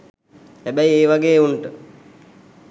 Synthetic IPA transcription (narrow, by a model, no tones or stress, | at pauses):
hæbæjeːʋaɡeːunʈə